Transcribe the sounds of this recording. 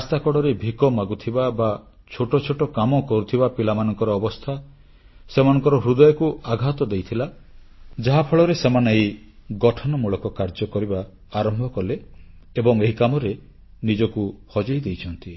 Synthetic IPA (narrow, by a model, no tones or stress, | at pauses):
ast̪akɔɽɔɾebʱikɔmaɡut̪ʰibaba | t͡ʃʰoʈɔt͡ʃʰoʈɔkamɔkɔɾut̪ʰibapilamanɔŋkɔɾɔːbɔst̪ʰa | semanɔ̃ŋkɔɾɔɦɾud̪ɔjɔkuaɡʱat̪ɔd̪ejt̪ʰila | d͡ʒaɦapʰɔɭɔɾesemanaj | ɡɔʈʰɔnɔmuɭɔkɔkaɾd͡ʒɔkɔɾibaː | ɾɔmbʱɔkɔle | ebɔŋeɦikamɔɾe | nid͡ʒɔkuhɔd͡ʒɔjd̪ejt͡ʃʰɔnt̪i